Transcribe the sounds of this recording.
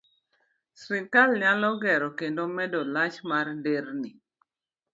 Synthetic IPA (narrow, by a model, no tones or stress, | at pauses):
sɾikalɲalɔɡɛɾɔkendomɛdɔlat͡ʃmarndeɾni